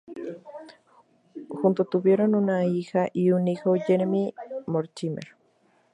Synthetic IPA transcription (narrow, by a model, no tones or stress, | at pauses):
xunt̪ot̪uβjeɾonunaixaʔiunixojeɾemimoɾt͡ʃimḛɾ